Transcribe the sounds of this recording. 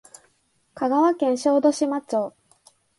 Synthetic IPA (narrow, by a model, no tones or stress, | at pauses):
kaɡaβakẽ̞ɰ̃ɕo̞ːd̪o̞ɕimat͡ɕoː